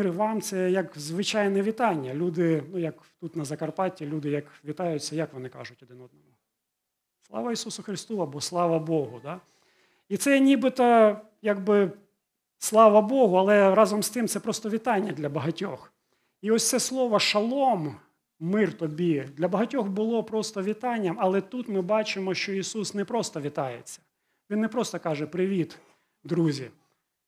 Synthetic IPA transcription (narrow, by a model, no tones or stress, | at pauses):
rʋɑmt̪sɛjɐkzʋɪt͡ʃɑjnɛʋʲit̪ɑnʲːɐlʲud̪ɪnujɐkt̪ut̪nɐzɐkɐrpɑtʲilʲud̪ɪjɐkʋʲit̪ɑjʊt͡sʲːɐjɐkʋɔnɪkɑ̰ʒʊtʲɔd̪ɪnɔd̪̚nɔmʊ | slˠɑ̰ʋɐisusʊxɾɪst̪uɐbɔslˠɑʋɐbɔɦʊd̪ɑ | it̪sɛnʲibɪt̪ɔ | jaɡbɪ | slˠɑʋɐbɔɦʊɐlˠɛɾɑzɔmst̪ɪmt̪sɛpɾɔst̪ɔʋʲit̪ɑnʲːɐd̪lʲɐbɐɦɐtʲɔx | iɔsʲt̪sɛslˠɔʋɔʃɐlˠɔmː | ɪrt̪ɔbʲid̪lʲɐbɐɦɐtʲɔxbʊlˠɔpɾɔst̪ɔʋʲit̪ɑnʲːɐmɐlˠɛt̪ut̪mɪbɑt͡ʃɪmɔʃt͡ʃɔisusnɛpɾɔst̪ɔʋʲit̪ɑjet͡sʲːɐ̥ | ʋʲinːɛpɾɔst̪ɔkɑʒɛpɾɪʋʲit̪ | d̪ɾuzʲḭ